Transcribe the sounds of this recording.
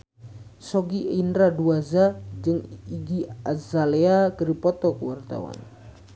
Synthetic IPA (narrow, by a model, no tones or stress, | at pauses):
sɔɡiʔinɾaduazad͡ʒɨŋiɡiazaleakəɾipɔt̪ɔkəwart̪a̰wa̰n